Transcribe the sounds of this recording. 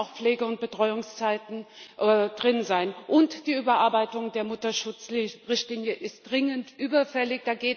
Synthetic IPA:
ʊxpp͡fleːɡəʊnt̚b̥ətʁ̥ɔʏʊŋst͡saɪtn̩ʔɛdʁɪnzaɪnʔʊntd̥iːyːbɐʔaɐbaɪtʊŋdeːɐmʊtɐʃʊt͡sʁɪçtliːnjəʔɪst̚d̥ʁɪŋəntʔyːbɐfɛlɪçd̥aːɡeːt

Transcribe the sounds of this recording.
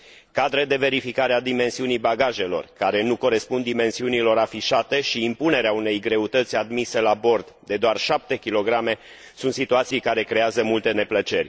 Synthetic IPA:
kad̪ɾed̪e̞ve̞ɾifikaɾead̪ime̞nsiunijbaɡaʒe̞lo̞̰rkaɾe̞nuko̞ɾe̞spund̪ːime̞nsiunilo̞ɾafiʃat̪e̞ʃiːmpune̞ɾeaune̞jɡɾe̞ut̪ət̪sʲad̪mise̞labo̞rd̪d̪e̞d̪oarʃap̚t̪e̞kʲilo̞ɡɾame̞ | sunt̪sit̪uat̪sijkaɾe̞kɾe̞azəmult̪e̞ne̞plət͡ʃe̞rʲ

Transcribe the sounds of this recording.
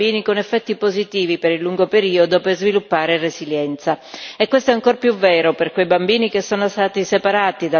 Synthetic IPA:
iːnikonefːɛt̪ːipozit̪iːvipeɾilːuŋɡopeɾiːod̪operzvilupːaːɾeresziljɛnt̪saekːwest̪oɛaŋkorpjuvːɛːɾoperkwejbambiːnikesːoːnost̪aːt̪isepaɾaːt̪id̪a

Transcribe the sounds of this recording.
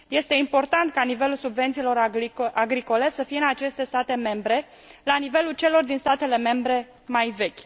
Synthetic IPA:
je̞st̪e̞impo̞rt̪ant̪̚kanive̞lulsubve̞nt̪silo̞ɾʔaɡɾiko̞le̞səfije̞ɨnat͡ʃe̞st̪e̞st̪at̪e̞me̞mbɾe̞ | lanive̞lult͡ʃe̞lo̞rd̪inst̪at̪e̞le̞me̞mbɾe̞ | majve̞kʲ

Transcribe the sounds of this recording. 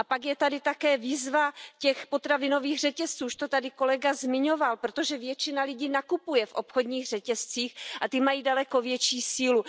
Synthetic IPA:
ʔapaɡjɛt̪adɪt̪akɛːviːzvacɛxpo̞t̪ɾavɪno̞viːɣr̝ɛcɛst͡suːʃt̪o̞t̪adɪko̞lɛɡazmɪɲo̞valpɾo̞t̪o̞ʒɛvjɛt͡ʃɪnalɪɟiːnakupujɛfʔo̞pxo̞dɲiːɣr̝ɛcɛst͡siːxʔat̪ɪmajiːdalɛko̞vjɛt͡ʃiːsiːlu

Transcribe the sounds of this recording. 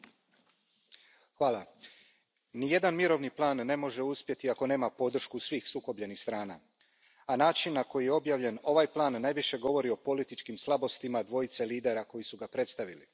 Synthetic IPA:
xʋaːlˠa | nije̞d̪anmiɾo̞ʋniplˠaːnːe̞mo̞ʒe̞uspje̞t̪iako̞ne̞ːmapo̞d̪r̩ʃkusʋiːxsuko̞bʎe̞nixst̪ɾaːna̰ | anaːt͡ʃinːako̞jijeo̞bjaʋʎe̞no̞ʋajplˠaːnːajʋiʃe̞ɡo̞ʋo̞ɾio̞po̞lit̪it͡ʃkimslˠabo̞st̪imad̪ʋo̞jit̪se̞liːd̪e̞ɾako̞jisuɡapɾe̞t̪st̪aʋili

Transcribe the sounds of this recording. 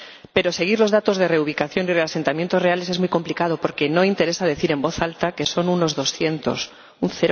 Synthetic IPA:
pe̞ɾo̞se̞ɣ̞iɾlo̞zðat̪o̞zð̞e̞re̞uβ̞ikaθjo̞nire̞ase̞nt̪amje̞nt̪ore̞ale̞s̬emujko̞mplikað̞o̞po̞ɾke̞no̞int̪eɾe̞sað̞e̞θiɾe̞mbo̞θalt̪ake̞so̞nuno̞zðo̞sθje̞nt̪o̞̰s | unθe

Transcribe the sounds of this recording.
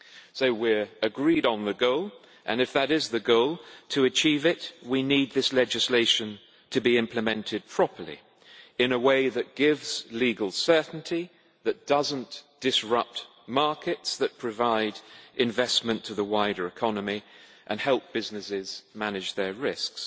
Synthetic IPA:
soʊwɪɹɨɡɹiɾn̩ðɨɡoʊlˠ | ʔɨ̃nɨfðəɾɪzðɨɡoʊlˠtʰɨɨt͡ʃʰivɪt̚winid̪̚ðɪslɛd͡ʒɨsleɪʃɨ̃n | tʰɨbiɪ̃mpʰlɨmɛ̃ntʰɨd̚pʰɹ̥ɑpʰə˞lḭ | ɨ̃nəweɪðɨt̚ɡ̥ɪvz̥liɡl̩ˠsɜ˞ʔn̩tʰi | ðɨt̚d̥ʌzə̃n̩d̥ɨsɹʌp̚t | mɑɹkɨtsðɨt̚pʰɹ̥ɨvaɪɾʔɨ̃ɱvɛsmɨ̃ntʰəðəwaɪɾə˞ɨkʰɑnəmi | ʔɨ̃nhɛlˠp̚b̥ɪznɨsɪz̥mænɨd͡ʒðə˞ɹɪsks

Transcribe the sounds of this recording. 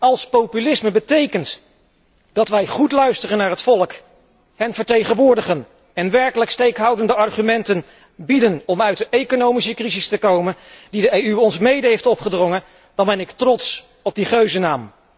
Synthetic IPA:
ɑlˠspowpylɪsməbətejkənt | d̥ɑtʋɛjχutlœɥstərənːaːɹɦətfɔlˠək | hɛnvəɹtejχə̃nʋʊːɹdəχən | ɛnʋɛɹkələkstejkɦɑwdəndəɑɹχymɛntən | bidənɔmœɥt̚dəʔejkonowmisəkrizɪstəkowməndidəejyɔnzmejdəɦejftɔpχədrɔŋə | d̥ɑnbɛnɪktrɔts | ɔb̚diχøɥzənaːm

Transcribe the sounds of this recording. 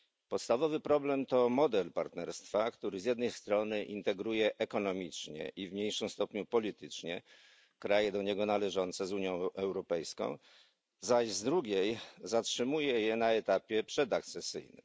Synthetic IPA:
pɔt̪st̪avɔvɘpɾɔblɛmt̪ɔmɔd̪ɛlpaɾt̪nɛɾst̪fakt̪uɾɘzʲjɛd̪nɛjst̪ɾɔnɘʔint̪ɛɡɾujɛʔɛkɔnɔmʲit͡ʂɲɛ̰ʔivmɲejʂɨmst̪ɔpɲupɔlʲit̪ɘt͡ʂɲɛ | kɾajɛd̪ɔɲɛɡɔnalɛʐɔnt̪sɛzuɲjɔ̃w̃ʔɛwɾɔpɛjskɔ̰̃w̃ | zaɕzd̪ɾuɡʲejzatʂɘmujɛjɛnaɛt̪apʲjɛpʂɛd̪ak̚t̪sɛsɘ̰jnɘ̰m

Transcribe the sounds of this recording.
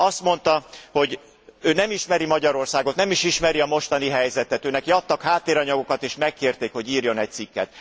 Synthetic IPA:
ɒst̪mo̞nt̪ɒho̞ɟ | øːnɛmiʃmɛɾimɒɟɒɾo̞rsaːɡot̪nɛmiʃiʃmɛɾiɒmo̞ʃt̪ɒniɦɛjzɛt̪ɛt̪øːnɛkiɒt̪ːɒkhaːt̪ːeːɾɒɲɒɡo̞kɒt̪eːʃmɛkːeːrt̪eːkho̞ɟiːrjo̞nɛc̚t̪sikːɛ̰t̪

